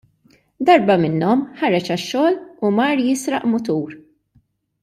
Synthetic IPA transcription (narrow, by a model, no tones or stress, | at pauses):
d̪ɐɾbɐmɪnːɔmħɐɾɛt͡ʃɐʃːɔːlumɐɾjɪsɾɐʔmʊt̪uːɾ